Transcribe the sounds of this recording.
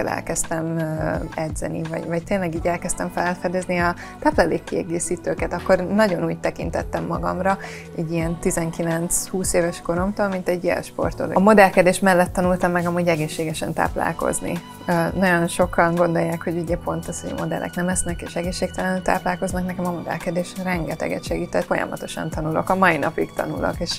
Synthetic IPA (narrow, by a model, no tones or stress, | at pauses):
ɛlɛ̰lkɛst̪ɛm | ɛd̪zɛ̰nḭvɒ̰ɟvɒct̪eːnlɛɡiːɟɛlkɛst̪ɛɱfɛlfɛd̪ezniɒ | t̪aːplaleːkːiɛ̰ɡeːsiːt̪øːkɛt̪ɒkːo̞rnɒɟo̞nuːɟt̪ɛkḭnt̪ɛt̪ːɛmːɒɡɒ̰mrɒ | ɛɟːijɛnt̪izɛŋkilɛnt̪shuːseːvɛʃko̞ɾo̞mt̪oːlmint̪ɛɟːiɛ̰ʃpo̞̰rt̪o̰lmo̞d̪ɛlkɛd̪eːʃt̪mɛlːɛt̪ːɒnult̪ɒmːɛɡɒmuːɟɛɡeːʃːeːɡɛʃɛ̰nt̪a̰ːpla̰ːlko̞̰znḭ | nɒɟo̞nʃo̞kɒnɡo̞nd̪o̞jːaːkhoɟuɟɛpo̞nt̪ɛsoɟɒ̰mo̞d̪ɛ̰lʔɛ̰knɛmɛsnɛkḛːʃɛɡeːʃːeːk̚t̪ɛlɛnyt̪a̰ːplaːlko̞znɒknɛkɛmɒmo̞d̪ɛ̰lkɛd̪eːʃrɛŋɡɛt̪ɛ̰ɡɛ̰t̪ʃɛɡiːt̪ɛt̪fo̞jɒ̰mɒ̰t̪o̞ʃɒ̰nt̪ɒnulo̞̰kɒmɒinɒpikt̪ɒ̰nṵlo̰keːʃ